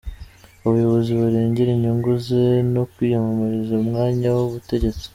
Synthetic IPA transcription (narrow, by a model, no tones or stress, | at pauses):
uβujo̞βo̞ziβaɾeːɲɟeɾeɲuŋɡuze̞no̞kwiːjomomoɾezaumŋaːɲawoβute̞ɟe̞t͡si̥